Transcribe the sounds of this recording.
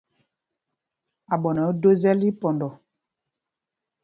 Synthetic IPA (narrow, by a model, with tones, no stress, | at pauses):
a˨ɓɔ˨nɔ˨˦do˦zɛ˦li˦pɔ˨ndɔ˨